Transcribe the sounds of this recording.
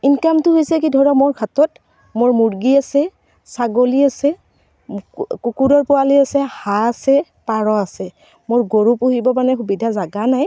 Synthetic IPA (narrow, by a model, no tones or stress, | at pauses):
inkamtʊɦojsɛk̬idʱɔɹɔmɔɹkʰatɔt | mʊɹmuɹɡiasɛ | saɡoliasɛ | kukudɔɹpʊwaliasɛhaasɛ | paɹɔasɛ | mʊɹɡoɹupuɦibɔpanɛxubidʱazaɡanaj